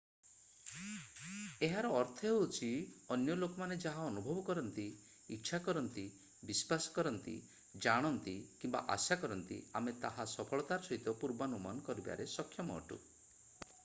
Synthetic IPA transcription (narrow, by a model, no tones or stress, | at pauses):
eɦaɾɔːɾt̪ʰɔɦewt͡ʃʰiɔnjɔlokɔmaned͡ʒaɦaɔnubʱɔbɔkɔɾɔnt̪iː | tːʃʰakɔɾɔnt̪i | bispasɔ̥kɔɾɔnt̪ḭ | d͡ʒaɽ̃ɔnt̪ikimba̰ʔa̰sakɔɾɔnt̪ḭamet̪aɦasɔpʰɔɭɔt̪aɾɔsɔɦit̪ɔpuɾbanuma̰nɔkɔɾiba̰ɾesɔkʰːjɔmɔ̰ʈṵ